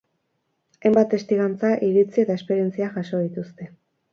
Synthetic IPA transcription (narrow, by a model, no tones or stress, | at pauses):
ejmbat̪e̞st̪iɣant͡saʔiɾit͡sie̞t̪ae̞spe̞ɾje̞nt͡siaʝaso̞ð̞it̪ust̪e̞